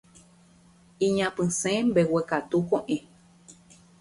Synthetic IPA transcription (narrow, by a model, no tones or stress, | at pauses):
ĩɲãpɨ̃sẽmbewekat̪ukõʔẽ